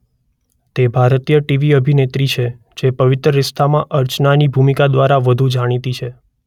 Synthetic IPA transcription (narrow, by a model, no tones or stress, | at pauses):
t̪ebʱaɾt̪ijəʈiʋiəbʱinet̪ɾit͡ʃʰe | d͡ʒepəʋɪt̪ɾəɾɪst̪ʰamãʔəɾt͡ʃnanibʱumikad̪ʋaɾaʋəd̪ʱud͡ʒaɽ̃it̪it͡ʃʰe